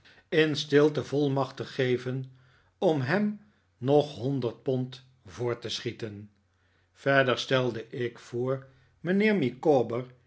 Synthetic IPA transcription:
ɪnstɪlˠtəvɔlˠmɑχtəχejvən | ɔmɦɛm | nɔχɦɔndəɹt̚pɔnt | vʊːɹtəsχitən | v̥ɛɹdəɹstɛlˠdəʔɪkfʊːɹ | mənɪːɹmikoːbəɹ

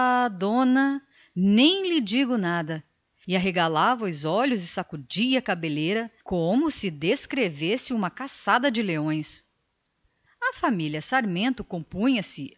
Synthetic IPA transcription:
ad̪õnɐ | nẽj̃lɪd͡ʒiɡʊnad̪ɐ | ɪaɦeɡalavɐʊzɔlʊzɪsakud͡ʒiɐkabeleɾɐkõmʊsɪd̪eskɾevesɪũmɐkasad̪ɐd͡ʒɪleõj̃s | ɐfamiljɐsaɾmẽnt̪ʊkõpũɲɐsɪ

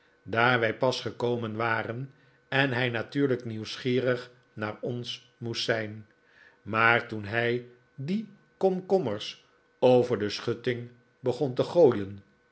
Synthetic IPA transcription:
daːɹʋɛjpɑsχəkowmənʋaːrən | ɛnɦɛjnatyːɹləkniwsχiːrəχ | naːɹɔns | mustsɛjn | maːɹtunɦɛj | di | kɔmkɔməɹs | owvəɹdəsχɵtɪŋ | bəχɔntəχoːjən

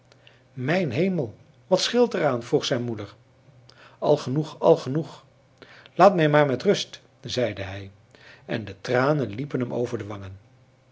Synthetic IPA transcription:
mɛjnɦejməlˠ | ʋɑtsχɪlˠtəraːnvruχsɛjnmudəɹ | ɑ̰lˠχənuχɑ̰lˠχənuχ | laːtmɛjmaːɹmɛtrɵst | zɛjdəɦɛj | ʔɛndətraːnənlipənɦɛmo̰wvəɹdəʋɑŋən

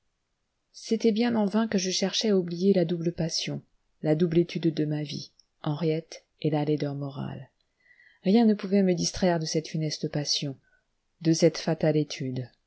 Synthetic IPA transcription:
set̪ɛbjɛ̃nɑ̃vɛ̃kəʒəʃɛʁʃɛaublijelad̪ubləpasjɔ̃ | lad̪ublet̪ʰyd̪ːəmavḭ | ɑ̃ʁjɛt̪ | elaled̪œʁmɔʁa̰l | ʁjɛ̃nəpuvɛməd̪ist̪χɛʁd̪əsɛt̪fynɛst̪əpasjɔ̃ | d̪əsɛt̪fat̪alet̪ʰyd̪

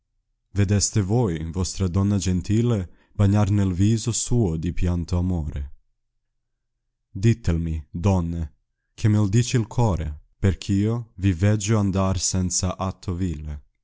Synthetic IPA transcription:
ved̪ɛst̪evojvɔst̪ɾad̪ɔnːad͡ʒent̪iːle | baɲːarnelviːzosuːod̪ipjant̪oamoːɾe | d̪it̪ːelmid̪ɔnːe | k̟ʰemeld̪iːt͡ʃiilkʰɔːɾeperk̟ʰiovivɛd͡ʒːoand̪arsɛnt̪saʔat̪ʰːoviːle

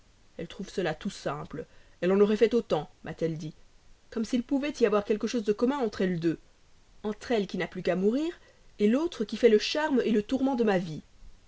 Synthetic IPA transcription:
ɛlt̪χuvsəlat̪usɛ̃plɛlɑ̃nɔʁɛfɛt̪ot̪ɑ̃mʔat̪ɛld̪i | kɔmsilpuvɛt̪iavwaʁkʲɛlkəʃozd̪əkɔmɛ̃ɑ̃t̪χɛld̪ø | ɑ̃t̪χɛlkʲinaplykamuʁiːʁ | elot̪χəkʲifɛləʃaʁmelət̪uʁmɑ̃d̪əmavi

